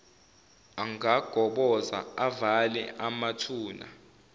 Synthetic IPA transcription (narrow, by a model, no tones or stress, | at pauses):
aŋaɡ̥ʱɔɓɔza̰avalɛ̰ʔamatʰuːna̰